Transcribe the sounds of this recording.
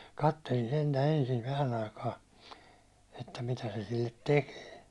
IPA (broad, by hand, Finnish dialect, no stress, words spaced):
kɑtːelin sentæ ensin ʋæhæn ɑikɑː etːæ mitæ se silːet tekeː